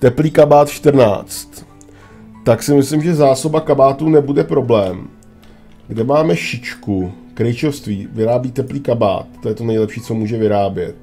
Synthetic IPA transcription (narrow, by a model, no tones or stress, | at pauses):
t̪ɛpliːkabaːt̪t͡ʃt̪r̩na̰ːt͡st̪ː | aksɪmɪslɪmʒɛzaːso̞bakabaːt̪uːnɛbudɛpɾo̞blɛːm | ɡdɛmaːmɛʃɪt͡ʃku | kɾɛjt͡ʃofst̪viːvɪɾaːbiːt̪ɛpliːkaba̰ːt̪t̪ːojɛt̪onɛjlɛpʃiːt͡so̞muːʒɛvɪɾaːbjɛt̪̚